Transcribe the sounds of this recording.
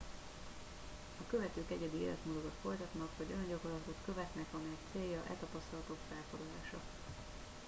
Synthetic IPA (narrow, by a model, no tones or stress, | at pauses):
ɒkø̞vɛt̪øːkɛɟɛd̪iḛːlɛ̰t̪mod̪od̪ot̪fo̞jt̪ɒt̪nɒkʋɒɟønɟɒkorlɒt̪o̞t̪kø̞vɛt̪nɛkɒmɛjɛkt̪seːjɒʔɛ̰t̪ɒpɒst̪ɒlɒt̪o̞kfɛlfo̞d̪lɒlaːʃɒ̰